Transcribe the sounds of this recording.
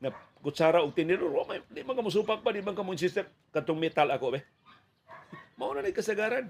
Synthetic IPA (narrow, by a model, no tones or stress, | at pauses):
ŋa | kut͡ʃaɾauŋt̪iniɾuɾamadiʔmaŋkamus̬upak̚badimaŋkamuinsist̪ɛm | kat̪ʊŋmɛt̪alakobɛh | maunanikasaɡaɾan